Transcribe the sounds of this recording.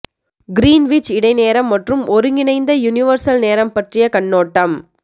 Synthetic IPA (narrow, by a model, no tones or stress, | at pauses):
ɡɪɾiːnʋɪt͡ʃɪɽɐɪneːɾɐmːɐʈrɯmɔɾɯŋɡɪnɐɪnd̪ɐjʊnɪʋɐɾsɐlneːɾɐmpɐʈrɪjɐkɐɳːoːʈːɐm